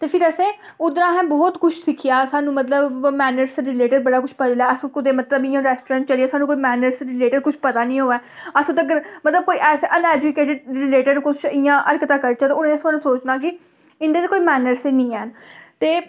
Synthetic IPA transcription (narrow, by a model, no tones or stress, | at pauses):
t̪eːpʰɪɾəsẽː | ʊd̪ɾãːɦɛ̃ːbɔːt̪kʊt͡ʃʰsɪkʰijaːsaːnũːmət̪ləbmɛːnəɾsɾɪleːʈəɖbəɽaːkʊt͡ʃʰpəd͡ʒ̪laːəskʊd̪eːmət̪ləbɪjãːɾɛːsʈɾãːɳʈt͡ʃəliaːsaːnũkoːiːmɛːnəɾsɾɪleːʈəɖkʊt͡ʃʰpət̪aːnĩːɦoːɛːəsũːt̪əɡəɾmət̪ləb̚koːiːʔɛːseːʔənɛːd͡ʒʊkeːʈəɖɾɪleːʈəɖkʊt͡ʃʰɪjãːʔəɾkt̪aːkəɾt͡ʃaːt̪ːʊnẽəsaːnũːsoːt͡ʃnãːk̬ɪ | ɪnd̪eːekoːiːmɛːnəɾsenĩːɛːnt̪eː